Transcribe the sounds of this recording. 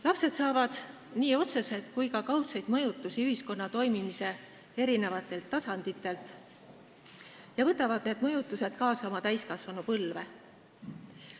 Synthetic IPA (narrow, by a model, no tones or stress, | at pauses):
lɑpse̞d̪sɑːvɑd̪̥ | niːo̞t̪se̞se̞t̪ˑkujkɑkɑwt̪sɑjd̪̥mɤjut̪ːˑusiyhisko̞nːɑt̪o̞jmimise̞ | e̞ɾine̞vɑt̪ːˑe̞lt̪ːɑsɑnd̪̥it̪ːˑe̞lt̪ | jɑvɤt̪ːˑɑvɑd̪̥ne̞ːd̪mɤ̞jut̪ːˑuse̞d̪̥kɑːsɑo̞mɑt̪æjskɑsvɑnupɤlve̞